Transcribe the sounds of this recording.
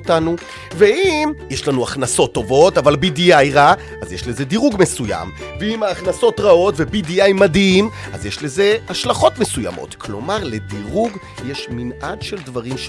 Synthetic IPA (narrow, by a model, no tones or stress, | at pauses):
otanu | veimjeʃlanuaχnaso̞tːo̞vo̞tavalbidijajʁa | azjeʃle̞ze̞diʁuɡme̞suja̰mveimaːχnaso̞tʁao̞tve̞bidijajmadhima̰zjeʃle̞ze̞haʃlaχo̞tme̞suja̰mo̞̰tkʰlo̞̰maʁle̞diʁuɡ | jeʃminadʃeldvaʁimʃ